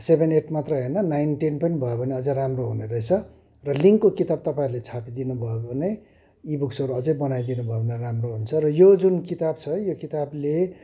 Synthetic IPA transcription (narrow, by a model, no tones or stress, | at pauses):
sebʱeneʈmat̪rʌɦʌnʌnajnʈenpʌnibʱʌjebʱʌneʌd͡zʌ̃ramroɦuneɾʌɦet͡sʰʌ | rʌliŋkːokit̪ab̚t̪ʌpaĩɾulet͡sʰapid̪inubʱʌjobʌne | ibuksʌɾuʌd͡zʌ̃jbʌnajd̪inubʱʌebʱʌneramroɦunt͡sʰʌrʌjod͡zunkit̪ab̚t͡sʰʌjokit̪able